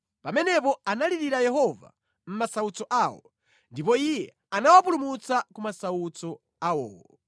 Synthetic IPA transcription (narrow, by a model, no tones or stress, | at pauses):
pamɛnɛpɔanaliɾiɾajɛɦɔva̰ | m̩masaut͡sɔʔaːwɔ̰ | ndip̬ɔijɛ | anawapulumut͡sakumasaut͡sɔ | awɔːwɔ